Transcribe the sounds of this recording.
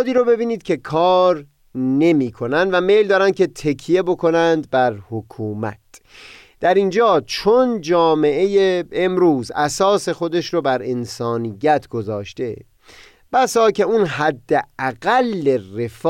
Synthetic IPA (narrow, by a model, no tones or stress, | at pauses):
d̪iːɾobe̞biːniːd̪̥cʰe̞kʰɒːɾ | ne̞miːkʰo̞nænd̪væme̞jld̪ɒːɾænd̪kʲʰe̞t̪ʰekʰije̞bo̞kʰo̞nænd̪̚bæɾhokʰuːmæ̰t̪̚ʰ | d̪̥æɾind͡ʒɒːt͡ʃʰond͡ʒɒːme̞ʔejeemɾuːzæsɒːse̞xo̞d̪e̞ʃɾobæɾensɒːnijːæt̪ʰɡ̥o̞zɒːʃt̪e̞ | b̥æsɒːcʰe̞unɦæd̪ːeæɣælːere̞f